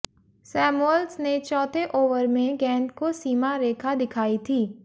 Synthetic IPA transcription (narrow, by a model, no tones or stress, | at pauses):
sɛːmuəlsnet͡ʃɔːt̪ʰeʔoːʋəɾmẽɡɛ̃ːnd̪kosiːmaɾeːkʰad̪ɪkʰaːit̪ʰiː